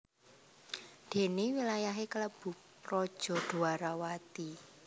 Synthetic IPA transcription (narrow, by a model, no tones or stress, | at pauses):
d̪̥e̤newilajaɦekələb̥ʊ̤ | rɔd̥ʒ̥ɔ̤d̪̥o̤aɾawat̪i